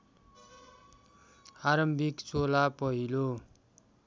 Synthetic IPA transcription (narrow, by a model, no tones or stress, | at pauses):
aɾʌmbʱikt͡solapʌɦilo